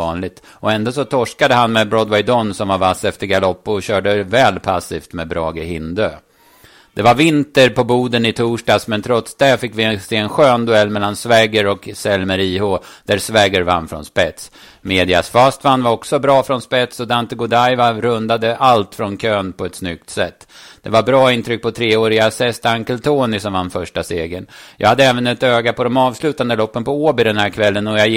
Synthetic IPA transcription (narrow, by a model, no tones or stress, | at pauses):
nlɪɡ̚t̪ | ɔɛnd̪os̬ɔt̪ʰɔʂkad̪əɦanmɛbɾɔd̪wɛjd̪ɔnːsɔmvavasːɛft̪əɾɡalɔpːʊɔɕœːɖəvɛːlpʰasːiːft̪mɛbɾɑːɡəhɪnd̪øː | d̪̥ɛvaɾvɪnt̪əɾpʰɔbuːd̪ənɪt̪ʰuːʂʈɑːsmɛnt̪ʰɾɔt̪sd̪ɛfɪkːvɪɛsteɛnɧøːnd̪ɵɛlːmɛlːansvɛːɡəɾɔksɛlməɾiːhʊd̪̥æɾsvɛːɡəɾva̰nːfɾɔ̰nspɛt̪s | meːd̪ɪa̰sfast̪vanːvaɾɔksɔbɾɑːfɾɔnspɛt̪sɔd̪ant̪əɡʊd̪ajvaɾɵnd̪ad̪əʔalt̪fɾɔnkʰøːnpʰɔɛt̪snʏk̚t̪sɛt̪ːd̪̥ɛvabɾɑːɪnt̪ʰɾʏk̚ːpʰɔt̪ʰɾeːoːɾɪasɛst̪aŋkəlt̪ʰoːnɪsɔmvanfœʂʈaseːɡənjɑ̰ːɡhad̪ːəɛːvənɛt̪øːɡapʰɔd̪ɔmɑːvslʉ̟ːt̪and̪əlɔpːənpɔoːbɪd̪ɛnhæːɾkʰvɛlːənɔja